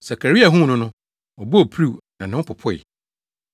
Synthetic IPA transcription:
sa˨kʰa˨ɾi˦a˨ɦũ˦nʊ̃˦nʊ̃˦ | ɔ˨bo˦o˨pʰɾu˦˨nã˨nʊ̃˦pʰʊ˨pʰʊ˦ɪ̰˨

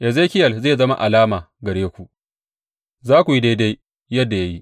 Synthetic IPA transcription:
ʔɛ˨zeː˦kʲɪ˦jɐ˨lzeː˦˨zɐ˦ma̰˦ʔa˨laː˦maː˨ | ɡɐ˨ɽeː˦kʷu˨ʔ | zaː˦kʷu˨ji˦da˦jda˦j | jɐ˦dːa˨ja˦ji˦

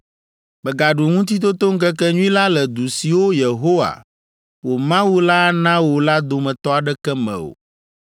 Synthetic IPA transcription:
bɛ˨ɡa˨ɖu˨ŋũ˦t̪̬i˦t̪̬o˦t̪o˦ŋ̩˦kɛ˦kɛ˦ɲũ˦ĩ˦la˦lɛ˨d̪u˨si˨wo˦je˨ɦo˦wa̰˨ | wo˨mã˦wu˦la˦nã˦wo˨la˦d̪o˨mɛ̃˨t̪ɔ˦a˨ɖɛ˦kɛ˦mɛ̰̃˨o̰˨

